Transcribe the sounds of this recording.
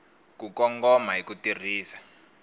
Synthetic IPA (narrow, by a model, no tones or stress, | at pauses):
kukɔŋɡɔmaɦikutir̤iːsḁ